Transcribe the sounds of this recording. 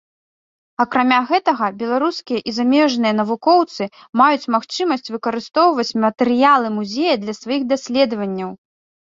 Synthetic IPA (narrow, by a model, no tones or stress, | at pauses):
ɐkɾamʲaɣɛt̪ɐɣɐbʲɛlˠaɾuskʲijɐʔizamʲɛʐnɨjɐnɐvukɔwt̪sɨ | majut͡sʲmaxt͡ʂɨmɐsʲt͡sʲvɨkɐɾɨst̪ɔwvɐt͡sʲmɐt̪ɛɾɨjalˠɨmuzʲejɐd̪lʲɐsvajixd̪asʲlʲɛd̪ɐvɐnʲːɐw